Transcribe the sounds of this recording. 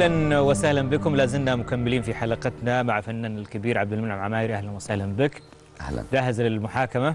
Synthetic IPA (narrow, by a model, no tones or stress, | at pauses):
lanwasahlanbɪkʊmlaːzɪmnamʊkamːɪliːnfiħalaqɪt̪namaʕfanːaːnɪlkabiːɾʕabd̪almanʕamʕamaːjɪɾʔahlanwasahlanbɪk | ʔhla̰nd͡ʒaːɦɪzlɪlmʊħaːkama